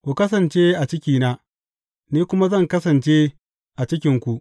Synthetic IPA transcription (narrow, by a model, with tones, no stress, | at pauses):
kʷu˨kɐ˦s̬ɐ˨nt͡ʃeː˦ʔa˨t͡ʃɪ˦kʲiː˦na˦ | niː˦kʷʊ˦ma˦zɐ˦˨ŋkɐ˦sɐ˨nt͡ʃe˦ | ʔa˨t͡ʃɪ˦kʲɪ˨˦ŋkʷu˨ʔ